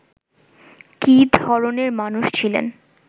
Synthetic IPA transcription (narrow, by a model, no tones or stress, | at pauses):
kid̪ʱɔɾoneɾmanuʃt͡ɕʰilḛn